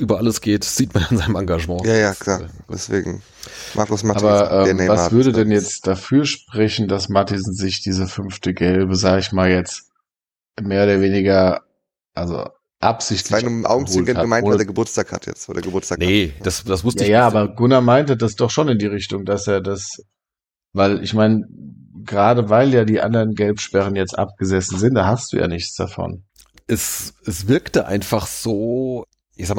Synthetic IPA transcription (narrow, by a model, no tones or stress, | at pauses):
ʔyːbɐʔaləsɡ̥eːtz̥iːtmanaɪnzaɪnəmaŋɡaʒəmɑ̃ːjaːjaːkʰlaːdɛ̰sv̥ḛːɡŋ̩ | mʔa̰ːkʊsmaaːbɐʔɛːnvasv̥ʏɐdədɛnjɛt͡std̥afyːɐʃpʁ̥ɛçn̩dasmatisn̩zɪçd̥iːzəfʏnftəɡɛlbəzaːɡəɪçmaːljɛt͡st | meːɐoːdɐveːnɪɡɐ | ʔalzo̰ | ʔa̰pz̥ɪçtlaɪnəmʔa̰ʊɡŋ̩t͡sːɪlɡənaɡəmaɪnːvːadeːɐɡəbʊɐt͡staːkha̰tʰjɛ̰t͡sodḛːɐɡəbʊɐt͡staːnəd̥asd̥asv̥ʊsjəjaːaːbɐɡʊnamaɪntəd̥asd̥ɔχʃoːnɪndiːʁ̞ɪçtʊŋdaseːɐdas | vaɪlʔɪ̰çmaɪnə | ɡəʁaːdəvaɪljaːdiːʔa̰ndɐʁənɡɛlpʃpɛʁ̞ənjɛt͡stʔa̰p̚ɡ̥əzɛsn̩zɪntd̥aːhastd̥ṵːja̰ːnɪçt͡sd̥a̰fɔ̰n | ʔɛsɛsv̥ɪɐktəʔa̰ɪnfaχz̥oː | ʔɪçzaːkm